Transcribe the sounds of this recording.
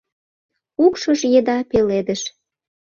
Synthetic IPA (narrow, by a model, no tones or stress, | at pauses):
ukʃoʃjĕd̪ɑpeled̪əʃ